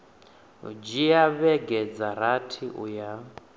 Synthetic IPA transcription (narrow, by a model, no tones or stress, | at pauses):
d͡ʒijaβɛɡɛd͡zaɾatʰiʔṵja